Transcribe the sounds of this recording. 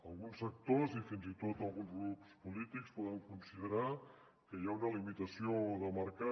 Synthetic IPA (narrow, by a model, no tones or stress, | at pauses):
əlˠɣunsək̚t̪ozifinzit̪ot̪əlˠɣunzɣɾupspulit̪ikspɔðəŋkunsiðəɾa | kəjaunəlimit̪əsioðəməɾka